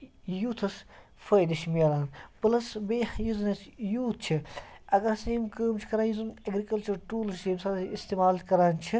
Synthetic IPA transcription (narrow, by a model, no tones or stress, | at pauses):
juːt̪ʰɐs | fɐːjd̪iʃmijɐlaːnplɐsbeːhjiznɐsjuːt̪̚ʰt͡ʃʰiɐɡɐɾseːmkəːmt͡ʃʰi̥kɐɾaːjizunɐɡɾikɐlt͡ʃɐɾʈuːlsseːmsad̪ist̪eːmaːlkɐɾaːnt͡ʃʰi